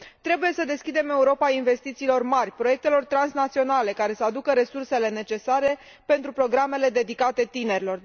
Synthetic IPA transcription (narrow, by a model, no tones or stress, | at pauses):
t̪ɾe̞buje̞səd̪e̞skʲid̪e̞me̞uɾo̞painve̞st̪it̪siːlo̞rmarʲpɾo̞je̞k̚t̪e̞lo̞rt̪ɾansnat̪sio̞nale̞kaɾe̞səad̪ukəɾe̞surse̞le̞ne̞t͡ʃe̞saɾe̞ | pe̞nt̪ɾupɾo̞ɡɾame̞le̞d̪e̞d̪ikat̪e̞t̪ine̞ɾʲilo̞r